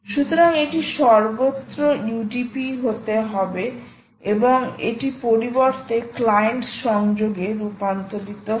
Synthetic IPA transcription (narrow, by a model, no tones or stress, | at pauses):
ʃut̪oɾaŋeʈiʃɔɾbot̪ːɾouɖipiɦot̪eɦɔbe | eboŋḛʈipoɾiboɾt̪eklajenʈʃɔŋd͡ʑoɡeɾupant̪od̪it̪o